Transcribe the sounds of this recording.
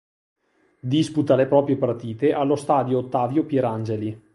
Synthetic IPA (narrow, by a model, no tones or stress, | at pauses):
d̪isput̪alepɾɔːpɾjepart̪iːt̪eʔalːost̪aːd̪joːt̪ːaːvjopjɛɾand͡ʒeli